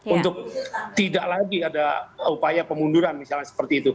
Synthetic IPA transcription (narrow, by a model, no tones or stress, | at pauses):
unt̪ʊk̚t̪idaʔlaɡiadaupajapəmunduɾanmisalɲasə̥pərt̪iːt̪u